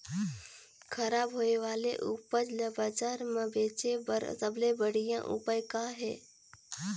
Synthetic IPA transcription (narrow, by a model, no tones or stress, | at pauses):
kʰəɾaːbɦoːeʋaːlḛʔʊpəd͡ʒləbəd͡ʒaːɾmə̃beːt͡ʃebsəblebəɽijã̰ʔṵpəjkaɦɛː